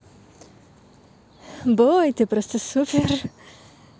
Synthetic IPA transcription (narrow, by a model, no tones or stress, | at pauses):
bojt̪ɨpɾɔst̪ɔsupʲer